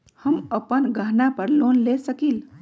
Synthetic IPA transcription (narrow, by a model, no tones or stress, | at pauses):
həməpənɡʱəɦnapəɾlonlesəkil